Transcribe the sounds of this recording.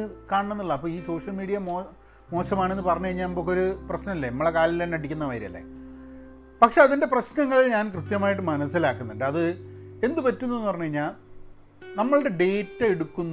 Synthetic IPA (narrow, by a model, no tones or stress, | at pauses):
kaːɳɐɳenːiɭːɐːpːoːiːso̞ːʂɐlmiːɽijɐmoː | mo̞ːsɐmaːɳe̞nːɨpɐrɐɲːukɐjiɲːaːnibokːeoɾuprɐɕnɐmilːenɐmːɐɭekaːlilenːɐɽikʲːunːɐʋɐjɾiɐ̰lːḛ | pɐkʂeɐðinde̞prɐɕnɐŋːɐɭilɲaːnkrɨt̪jɐmaːjiʈːɨmɐnɐsilaːkːunːuɳɖɨɐðɨe̞nd̪ɨpɐtːunːɐenːɨpɐrɐɲːuɣɐjiɲːaːl | nɐmːɐɭɨɽe̞ɖe̞ːtːɐeɽukːunː